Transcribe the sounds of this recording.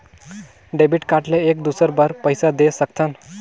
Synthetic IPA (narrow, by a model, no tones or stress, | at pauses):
ɖebiʈkaʈleek̚d̪usəɾbəɾpəjsad̪esək̚t̪ʰən